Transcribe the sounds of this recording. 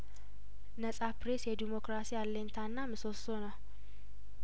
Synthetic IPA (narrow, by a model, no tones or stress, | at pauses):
nəsʼapɾe̞sjɛd̪imo̞kɾasijalːəɲt̪ʰanːamɨso̞sona